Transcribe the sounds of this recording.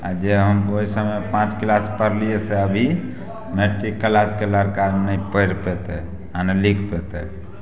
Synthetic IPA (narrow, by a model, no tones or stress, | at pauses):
a̰d͡ʒeɦəmoisəmepãt͡ʃklaspəɾlijeseəbʱi | meʈːikːəlaskeləɾkanəipəɪɾpet̪ɛ | anelikʰpet̪ɛ